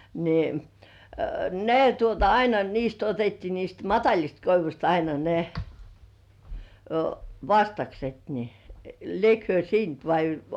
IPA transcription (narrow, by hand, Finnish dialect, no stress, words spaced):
ni ne tuotɑ ɑinɑ niːst otetːiː niːst mɑtɑlʲist koiʋusʲt ɑinɑ ne ʋɑstɑkset ni liek hyø siːnt ʋɑi